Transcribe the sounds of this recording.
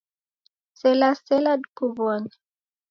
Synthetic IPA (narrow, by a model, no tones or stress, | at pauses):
sɛlasɛladkubɔn